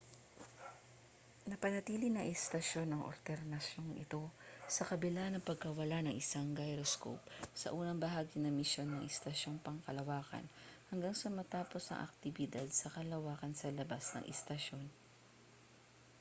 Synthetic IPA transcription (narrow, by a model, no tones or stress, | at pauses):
nɐpɐnɐt̪iːlɪnɐŋʔɛst̪ɐʃo̞nɐŋʔo̰ɾt̪ɛɾnɐʃjo̞ŋʔɪ̰t̪o̞sɐkɐbɪlanɐŋpɐɡ̚kɐwɐlanɐŋʔɪsaŋɡajɾosko̰wpsɐ̰ʔuːnɐŋbɐɦaːɡɪnɐmɪsjo̞nːɐŋʔɛst̪ɐʃo̞ŋpɐŋkɐlɐwaːkɐ̰nhɐŋɡaŋsɐmɐt̪aːpo̞sɐ̰ŋʔɐ̰k̚t̪ɪbɪd̪ad̪̚sɐkɐlɐwaːkɐnsɐlɐbasnɐ̰ŋʔɛ̰st̪ɐʃo̞n